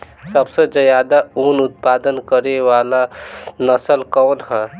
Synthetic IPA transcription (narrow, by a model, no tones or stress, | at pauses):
səbsəd͡ʒəjad̪aunut̪̚pad̪ənkəɾewalanəsəlkɔːnɦɛ̃